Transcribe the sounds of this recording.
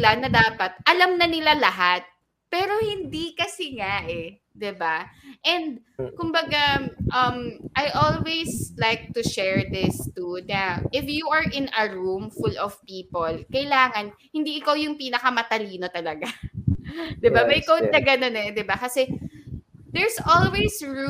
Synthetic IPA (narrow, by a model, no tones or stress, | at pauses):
lanɐd̪aːpɐt̪̚ʔɐlamnɐnɪlalɐɦat̪̚ | pɛːɾo̞hɪnd̪ikɐsɛŋaʔɛ | d̪ɪbaʔɛnd̪̚kʊmbɐɡaʔɐmʔajʔolwejslajk̚t̪ʊʃɛɹd̪ɪst̪unɐʔɪfjuʔɐɹʔɪnɐɹumfulɔv̥piːpolkɐɪlaːŋɐn | hɪnd̪iʔɪkawjʊŋpiːnɐkɐmɐt̪ɐliːno̞t̪ɐlɐɡa | d̪ɪbamɐjkowt̪̚nɐɡɐno̞nɛd̪ɪbakɐsɛ | d̪ɛɹsʔolwejsɹ